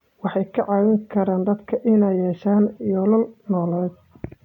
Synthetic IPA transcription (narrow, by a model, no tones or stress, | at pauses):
wɑħɑjkʰɐʕɑːwɪŋkʰɐɾaːnd̪ɐd̪kʰɐʔɪnɛjjɛːʃaːnjɔːlɐlnɔːlɛːd̪̚